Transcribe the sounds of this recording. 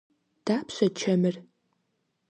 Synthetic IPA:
d̥aːpʰɕʷɐt͡ʃʰɐmɨr

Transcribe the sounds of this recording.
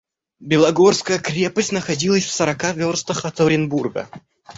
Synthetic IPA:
bʲɪlˠɐɡo̞rskəjəkɾʲe̞pəsʲtʲnəxɐdʲilˠəsʲfsəɾɐkavʲorst̪əxɐt̪oɾʲɪnburɡə̰

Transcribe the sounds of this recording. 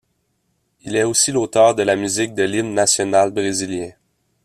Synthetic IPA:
ilɛosilot̪œːʁd̪əlamyzɪk̚d̪əlilnasjɔnalbʁeziljɛ̃

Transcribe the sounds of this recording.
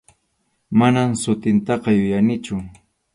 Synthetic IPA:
manamsʊt̪ɪnt̪ɑqɑjʊjanɪt͡ʃʊ

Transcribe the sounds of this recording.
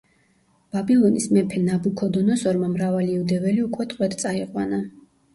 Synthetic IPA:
b̥abilˠɔnismɛpʰɛnabukʰɔd̪ɔnɔsɔɾmamɾavaliːvd̪ɛvɛliukʼwɛt̪ʼqʼwɛt̪t̪sʼaiqʼwana

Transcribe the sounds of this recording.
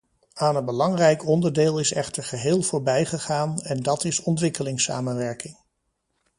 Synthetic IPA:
aːnənbəlɑŋrɛjkɔndəɹdeːlˠɪsɛχtəɹχəɦɪːlˠv̥ʊːɹbɛjχəχaːnɛndɑtɪsɔntʋɪkəlɪŋsa̰ːmənʋɛɹkɪŋ

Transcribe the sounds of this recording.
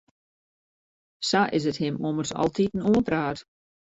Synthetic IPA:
saʔɪs̬əthɪmomərsɔ̰lˠtʰitn̩uəpraːt

